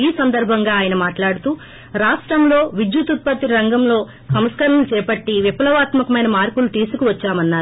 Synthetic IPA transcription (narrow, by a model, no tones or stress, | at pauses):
iːsɐnd̪ɐɾbʱɐŋɡaːjɐnɐmaːʈlaːɽut̪uː | ɾaːʂʈɾɐmlo̞ːʋid͡ʒjut̪ut̪̚pɐt̪iɾɐŋɡɐmlo̞ː | sɐmskɐɾɐnlut͡ʃɛːpɐʈːiʋipɐlɐʋaːt̪mɐkɐmɐjnɐmaːɾpulut̪iːsukuʋɐt͡ʃːaːmɐnːaːɾu